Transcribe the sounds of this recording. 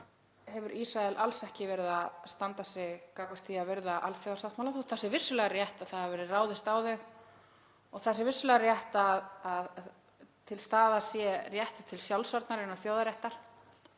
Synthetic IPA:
hɛvʏɾʔisɾaɛlʔalsɛhcɪvɛɾɪðast̪ant̪asɛɣkakvʏ̥ɾ̥t̪θiavɪɾðaʔalθjowðasawt̪mawlaθust̪θɛsːɪvɪsːʏlɛɣarjɛht̪aðθaðavɛːɾɪraːwðɪst̪aːwðʏɣ | ɔɣθɛsːɪvɪsːʏlɛːɣarjɛht̪aðað | t̪ʰɪlst̪aːðasjɛrjɛht̪ɪ̥t̪ʰɪlsjawlsɔɾt̪naɾɪnːaθjoːwðaɾjɛht̪aɾ̥

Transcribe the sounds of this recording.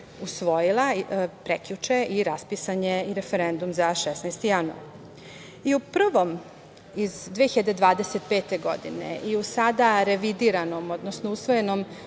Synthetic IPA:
usʋo̞jilˠapɾekʎut͡ʂeiɾaspisaɲe̞iɾefeɾend̪umzaʃɛsnajst̪ijanua̰ɾ | iupr̩ʋo̞m | izd̪ʋeçiʎed̪ed̪ʋaːd̪e̞set̪̚peːt̪e̞ɡo̞d̪ḭnḛʔiusad̪aɾe̞ʋid̪iɾano̞mod̪nosnousʋo̞je̞nom

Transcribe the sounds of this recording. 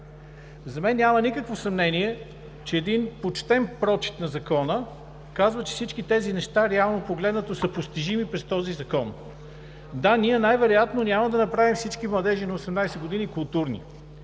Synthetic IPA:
zɐmɛnːʲamɐnikəkvosɐmnɛniɛ | t͡ʃɛːd̪inpot͡ʃt̪ɛnpɾɔt͡ʃi̥t̪nɐzɐkɔnə | kazvət͡ʃɛ̥fsit͡ʃkit̪ɛzinɛʃt̪aɾɛalˠnopoɡlɛd̪nət̪osɐpost̪iʒimipɾɛst̪ɔzizɐkɔn | d̪anʲiənajvɛɾojat̪nonʲaməd̪ɐnɐpɾavimfsit͡ʃkimlˠɐd̪ɛʒinɐosɛmnajsɛɡod̪inikʊlˠt̪uɾnḭ

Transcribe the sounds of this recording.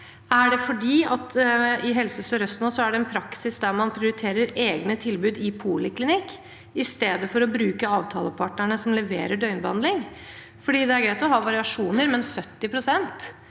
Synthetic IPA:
æɖɛfɔɖiːɑt̪ɪɦɛlsəsɔɾœst̪nɔsɔæɖɛɛnpʰɾɑksɪsd̪æɾmɑnpʰɾɪʊɾɪt̪ʰeːɾəɾeːɡnət̪ʰɪlbʉːd̪ɪpʰuːləklɪnɪkː | ɪst̪eːd̪əfɔɾɔbɾʉːkəɑːʋt̪ʰɑːləpʰɑʈɳəɳəsɔmlɛʋeːɾəɖœʏnbəhɑnd̪lɪŋ | fɔɖiːd̪ɛæɾɡɾæɪt̪ɔɦɑːʋɑɾɪɑʂuːnəɾmɛnsœt̪ːɪpʰɾʊsɛnt̪

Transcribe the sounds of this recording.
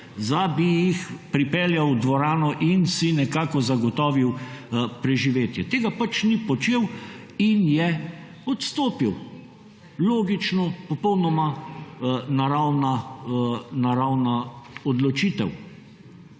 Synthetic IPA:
zabijixpɾipɛljawd̪ʋɔɾaːnɔʔinsinɛkaːkɔzaɡɔt̪ɔːʋiwpɾɛʒiʋeːt̪jɛt̪eːɡapat͡ʃnipɔt͡ʃeːw | injɛ | ɔt̪st̪oːpiw | loːɡit͡ʃnɔpɔpɔwnɔma | naɾawna | naɾawnaɔd̪lɔt͡ʃiːt̪ɛw

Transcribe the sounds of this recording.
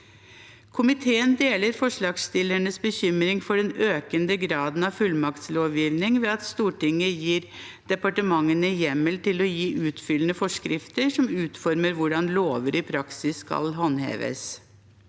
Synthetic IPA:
kʰʊmɪt̪ʰeːənd̪eːləɾfɔʂɭɑːɡst̪ɪlːəɳəsbəçʏmɾɪŋfɔɖɛnøːkənd̪əɡɾɑːd̪n̩ɑʋfʉlmɑkt̪sloːʋjiːʋnɪŋʋɛːɑt̪st̪uːʈɪŋːəjiːɾ | d̪̥ɛpɑʈəmɑŋːənəjɛmːəlt̪ɪlɔjiːʔʉːt̪fʏlənəfɔʂkɾɪft̪əʂɔmʉːt̪fɔɾməɾʋʊɖɑnloːʋəɾɪpʰɾɑksɪsːkɑ̰lɦɑnhḛːʋə̰s

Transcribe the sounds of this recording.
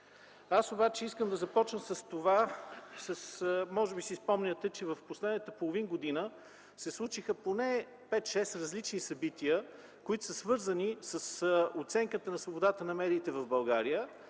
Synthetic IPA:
asobat͡ʃɛiskəmd̪ɐzɐpɔt͡ʃnəmsəst̪ovasəsmɔʒɛbisispɔmnʲət̪ɛt͡ʃɛvɐfposlɛd̪nət̪əpolˠovinɡod̪inə | sɛslˠut͡ʃixəponɛ | pɛt̪ʃɛsɾɐzlit͡ʃnisɐbit̪iə | koit̪ʊ̥səsvɤɾzənisəsot̪sɛŋkət̪ənɐsvobod̪at̪ənɐmɛd̪iːt̪ɛvɐvbɐlˠɡaɾijə

